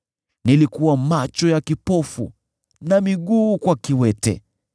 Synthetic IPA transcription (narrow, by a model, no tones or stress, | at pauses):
nilikuwamat͡ʃɔjakipɔfṵ | namiɠuːkwakiwɛtɛ̰